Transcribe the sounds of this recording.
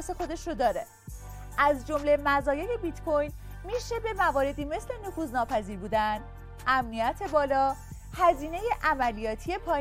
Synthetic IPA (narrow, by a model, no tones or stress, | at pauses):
se̞xo̞d̪e̞ʃɾod̪ɒːɾe | ʔæzd͡ʒomle̞mæzɒːje̞lebit̪kʰo̞jn | miʃe̞be̞mævɒːɾe̞d̪iːme̞sle̞nofuːznɒːpʰæziːɾbuːd̪æn | ʔæmnijæt̪ʰe̞bɒːlɒː | hæziːne̞je̞ʔæmælijɒːt̪ʰije̞pʰɒː